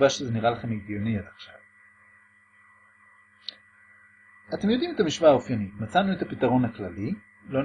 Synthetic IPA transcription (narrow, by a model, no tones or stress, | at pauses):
vaʃezeniʁalaχe̞meɡjoniataχʃav | ate̞mjo̞d̪imet̪amiʃvaːofjanitmat͡sanuet̪apitaʁo̞nhaklali | lo̞n